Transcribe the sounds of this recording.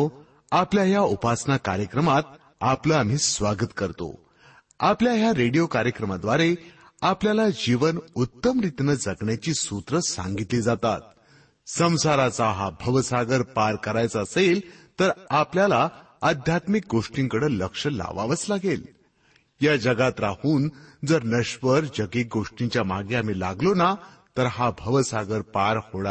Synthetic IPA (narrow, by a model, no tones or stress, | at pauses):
o | apljajaupasnakaɾjəkɾəmat̪ | apləam̤iːsʋaɡət̪kəɾt̪o̰ | apljaɦjaɾeɽijokaɾjəkɾəmad̪ʋaɾe | apljalad͡ʑiʋənut̪ːəmɾit̪nəd͡zəɡɳjat͡ɕiːsut̪ɾəsã̰ŋɡit̪liːd͡zat̪a̰t̪̚ | sə̃w̃saɾat͡saɦabʱəʋsaɡəɾpaɾkəɾajt͡saəselt̪əɾapljala | əd̪ʱjat̪mik̚ɡoʂʈiŋkəɽələkʂəla̰ʋa̰ʋət͡slaɡel | jad͡ʑəɡat̪ɾahuːnd͡zəɾnəɕʋəɾd͡ʑəɡik̚ɡoʂʈiɲt͡ɕjamaɡeam̤iːla̰ɡlona | t̪əɾɦabʱəʋəsaɡəɾpaɾhoɭa